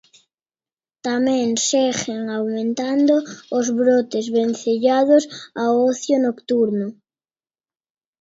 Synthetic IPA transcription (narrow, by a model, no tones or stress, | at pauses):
t̪amẽŋsexeŋawmẽnt̪and̪oozβɾot̪ezβenθeʎaðosaoθjonokt̪uɾno